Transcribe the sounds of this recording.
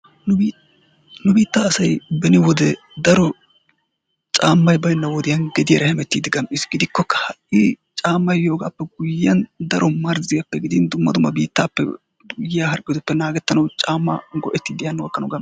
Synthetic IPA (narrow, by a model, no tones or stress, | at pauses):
nʊb | nʊbiːt̪ːaːsɐjbɛnɪwɔd̪ɛ | d̪ɐɾɔ | t͡ʃʼaːmːɐjbɐjnːɐwɔd̪ɪjɐnɡɛd̪ɪjɐɾɐhɛmɛt̪ːiːd̪ɪɡɐmʔɪsɡɪd̪ɪkːɔkːɐ̥hɐʔʔɪ | t͡ʃʼaːmːɐjjo̞ːɡaːpːɛɡʊjɐnd̪ɐɾɔmɐɾzɪjɐpːɛɡɪd̪ɪnd̪ʊmːɐd̪ʊmɐbḭːt̪ːaːpːɛ̰ | ɡʊjɪjahɐɾkʼːɪd̪ʊpːɛnaːɡɛt̪ːɐnɐwt͡ʃʼaːmːɐ̰ɡɔʔɛt̪ːiːd̪ɪjɐnːʊwɐkːɐnʊɡɐm